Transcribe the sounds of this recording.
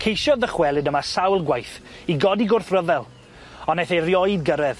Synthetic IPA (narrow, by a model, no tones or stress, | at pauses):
kʰejʃjɔðəχwɛlˠɪdəmasawlˠɡwajθ | iɡɔdiɡʊrθrəðɛlˠ | ɔnaθerjɔɨðɡəɾɛð